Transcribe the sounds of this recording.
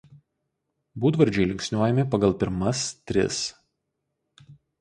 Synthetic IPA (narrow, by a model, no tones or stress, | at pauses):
buːd̪ʋɐɾʲd͡ʒʲɛɪlʲɪŋʲksʲnʲuɔjɛmʲɪpɐɡɐlˠˑpʲɪɾmɐst̪ʲɾʲɪ̰s